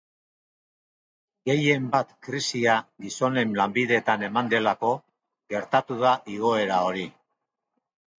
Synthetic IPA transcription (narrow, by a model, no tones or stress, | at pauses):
ɡe̞je̞mbat̪kɾisiaɡiso̞ne̞nlambiðe̞t̪ane̞mand̪e̞lako̞ | ɡe̞ɾt̪at̪uðaʔiɣo̞e̞ɾao̞ɾi